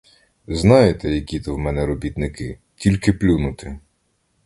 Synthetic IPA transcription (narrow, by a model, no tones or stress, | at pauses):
znɑjet̪ɛjɐkʲit̪ɔwmɛnɛɾɔbʲit̪nɪkɪ | tʲilʲkɪplʲunʊt̪ɪ